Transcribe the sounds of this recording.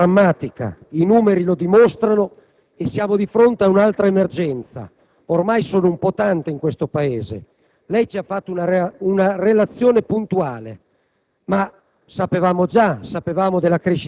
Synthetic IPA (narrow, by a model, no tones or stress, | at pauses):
amːaːt̪ika̰inuːmeɾilod̪imost̪ɾano | esːjaːmod̪ifɾont̪eaunalt̪ɾaemerd͡ʒɛnt̪sa̰ | ormajsoːnoumpɔt̪ant̪eiŋkwest̪opaeːzḛ | lɛjt͡ʃiafːat̪ːounaunarelat̪sːjoːnepunt̪uaːle | ma | sapevaːmod͡ʒasapevaːmod̪elːakɾeʃ